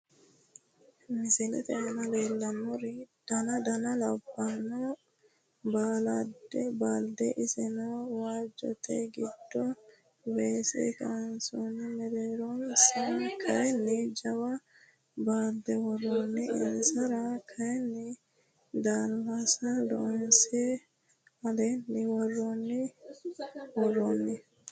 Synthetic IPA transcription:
mɪsɛlɛ̰t̪ɛʔɐnɐleːlːɐnɔɾɪd̪̥ɐnɐd̪ɐnɐlɐbːanɔ | baːlɐd̪ɛbaːld̪ɛʔɪsɛnɔwaːd͡ʒɔ̰t̪ʰːɛɡɪd̪̥ːɔ | weːsɛ̰kɐnsɔnːɛmɛɾeːɾɔnsɐkʰɐjɛnːɪd͡ʒɐwɐ | baːld̪ɛwɔrːonːɪɪnsɐɾɐkʰɐjɛnːɪ | d̪aːlːasɐd̪ɔ̰nsɛ | ɐlɛnːɪwɔrːɔnːɪ | wɔrːɔnːɪ

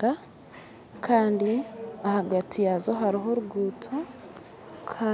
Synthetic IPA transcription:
a | kʰaːndiahaɡatʰijazo̞ɦaɾiɦo̞ɾuɡuːtʰo | kʰa

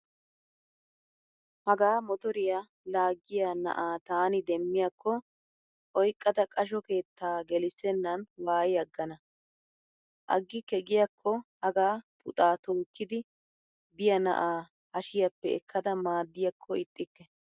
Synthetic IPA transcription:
hɐɡaːmɔt̪ɔɾɪja | laːɡːɪjanɐ̰ʔaːt̪aːnɪd̪ɛmːɪjɐkʰːɔ | ʔɔjkʼːɐd̪ɐkʼɐʃ̬ɔke̞ːt̪ːaːɡɛlɪsɛnːɐnwaːjɐɡːɐnɐ | ʔɐ̰ɡːɪkɛɡɪjɐkʰːɔhɐɡaːpʊ̰t̪ʼaːt̪oːkːɪd̪ɪ | bɪjɐnɐ̰ʔaː | hɐʃɪjɐpːɛɛkːɐd̪ɐmaːd̪ːɪjɐkʰːɔɪt̪ʼːɪkːɛ

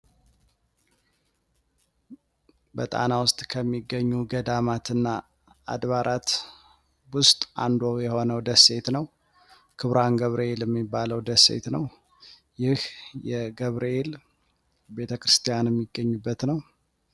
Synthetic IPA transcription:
bət̪ʼa̰nawʊst̪ʼkʰəmːiɡːəɲːuɡəd̪amat̪ɨnːa | a̰d̪βaɾʔat̪ | wʊst̪ʼʔa̰nd̪ojɛho̞nəwd̪əse̞t̪nəw | kʰɨβɾanɡəβɾʔəeljɛmːibːaləwd̪əsḛt̪nəw | jɪhjɛɡəβɾeel | be̞t̪ʰəkɾɨst̪ʰijanjɛmːiɡːəɲːubːət̪nəw

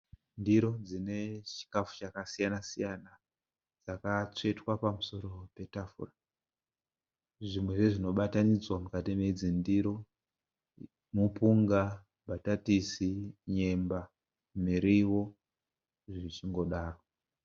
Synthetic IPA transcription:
ndiɾo̞d͡zine̞t͡ʃi̥kafu̥t͡ʃakasijanasijana | d͡zakat͡ʂe̞twapamuso̞ɾo̞pe̞tafṵra | ʐimweʐeʐino̞ɓatanid͡zwamukatimed͡zindiɾo̞ | mupuŋɡa | bʱatatisiɲe̞mba | miɾiwo̞ | ʐit͡ʃiŋɡo̞ɗaːro

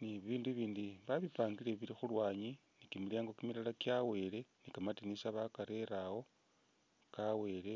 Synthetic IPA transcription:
niβiβiːnduβiːndiβaβipaːŋɡileβilixulwaːɲi | nikimiljaːŋɡo̞kimilalakjawe̞ːle̞nikamatinisaβakaɾeɾawo̞ | kawe̞ːle

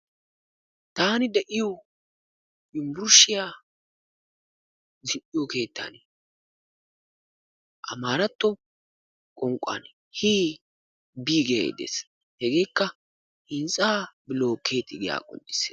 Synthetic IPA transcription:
t̪aːnɪd̪ɛʔɪjɔ | ɪmbʊɾʊʃːɪjaː | zɪʔːɪjɔke̞ːt̪ːa̰n | ʔɐ̰maːɾɐt̪ːɔ | kʼɔŋkʼːa̰n | hiː | biːɡeḛd̪ḛs | hɛɡe̞ːkːɐ | hɪnsʼaːbɪloːkʰe̞ːt̪ːɪɡɪja̰ːkʼɔ̰nʔɪ̥se

